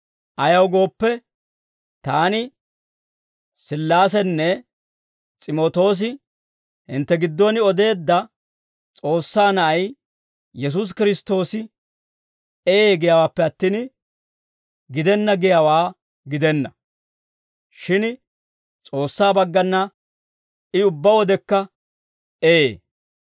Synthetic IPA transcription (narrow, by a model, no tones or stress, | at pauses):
ʔɐjɐwɡo̞ːpːɛ | t̪aːnɪ | sɪlːaːsɛnːɛ | t͡sʼɪmoːt̪o̞ːs̬ɪ | hɪ̰nt̪ːɛɡɪd̪ːɔnɪɔd̪e̞ːd̪ːɐ | t͡sʼo̞ːsːaːnɐʔɐj | jɛs̬ʊs̬kɪɾɪst̪o̞ːsɪ | ɛjeːɡɛjaːwaːpːɛɐt̪ːiːn | ɡɪd̪ɛnːɐɡɪjawaː | ɡɪd̪ɛnːɐ | ʃɪn | t͡sʼo̞ːsːaːbɐɡːɐnːɐ | ɪʊbːɐwɔd̪ɛkːɐ | eeː